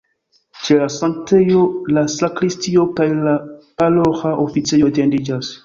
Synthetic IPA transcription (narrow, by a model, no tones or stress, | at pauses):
t͡ʃelasaŋk̚tejolasakɾistio̞kajlapaloxaʔofit͡sejotendid͡ʒas